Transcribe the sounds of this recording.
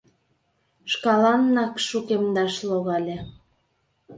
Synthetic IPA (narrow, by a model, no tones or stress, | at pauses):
ʃkɑlɑnːɑkʃukemd̪ɑʃloɣɑlʲe